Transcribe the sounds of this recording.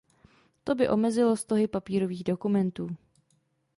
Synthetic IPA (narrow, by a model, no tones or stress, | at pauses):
t̪o̞bɪʔo̞mɛzɪlost̪o̞ɦɪpapiːɾo̞viːɣdo̞kumɛnt̪uː